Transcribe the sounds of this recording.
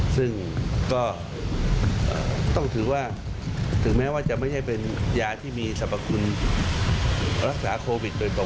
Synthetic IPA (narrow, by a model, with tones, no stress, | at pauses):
sɯ˥˩ŋ | kɔː˥˩ | ʔə̰ː˧˩t̪ɔ˥˩ŋt̪ʰɯ˩˦waː˥˩ | t̪ʰɯ˩˦ŋmɛː˦˥waː˥˩t͡ɕa˨˩ʔma˥˩jda˥˩jpe˧njaː˧t̪ʰiː˥˩miː˧sa˨˦pːa˧kʰu˧n | ɾa˦˥˩k̚sa̰ː˩˦kʰoː˧wi˨˩t̪̚doː˧jt̪o˧˩